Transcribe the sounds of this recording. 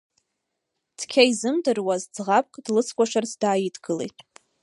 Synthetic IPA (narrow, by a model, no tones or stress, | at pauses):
tʰkʲʰaizɨmdɨrwazd͡zʁap̚ʼkʼdlɨt͡sʰkʷʼaʃarsdaːjidʰɡ̥ɨlḛjtʼ